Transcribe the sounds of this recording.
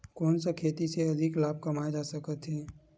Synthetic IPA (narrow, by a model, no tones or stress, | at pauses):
kɔːnsakʰeːt̪iseɐd̪ʱɪklaːb̚kɐmaed͡ʒaːsɐkət̪ɦɛː